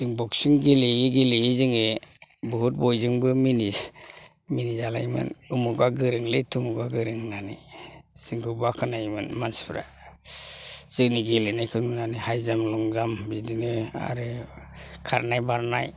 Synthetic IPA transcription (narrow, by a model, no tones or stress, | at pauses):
zɯŋbɔksiŋɡeleiɡeleizɯŋebuɦut̚bɔjzɯŋbɯmini | minizala̰jmɯ̰nɯmuɡaɡɯɾɯŋletʰumuɡaɡɯɾɯŋnanḭsɯŋkʰɯbakʰɯnajmɯnmanspʰɾa̰ | z̥ɯkniɡelenajkʰɯŋnanihajzamlɔŋzambidinɯa̰ɾɯ | kʰaɾnajbaɾnaj